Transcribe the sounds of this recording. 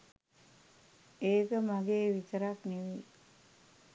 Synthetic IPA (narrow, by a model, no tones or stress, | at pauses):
eːkəmaɡeːʋit̪əɾakniʋiː